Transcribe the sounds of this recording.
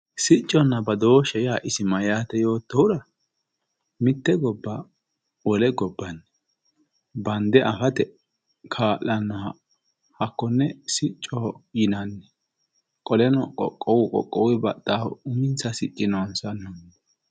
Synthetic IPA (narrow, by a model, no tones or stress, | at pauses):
sɪt͡ʃʼːɔnːɐbɐd̪oːʃɛjaʔɪsɪmɐjaːt̪ɛjo̞ːt̪ːɔwʊɾɐ | mɪt̪ːɛɡɔbːɐ | wɔlɛɡɔbːɐnːɛ | bɐnd̪ɛʔɐfɐt̪ɛ | kʰaːlːɐnːɐ | hɐkːɔnːɛsɪt͡ʃʼːɔjɪnɐnːɛ | kʼɔlɛnɔkʼɔ̰kʼːɔwʊkʼɔ̰kʼːɔwɪbɐ̰t̪ʼːaːʊmɪnt͡sɐsɪt͡ʃʼːɪnɔnsɐnːɔnː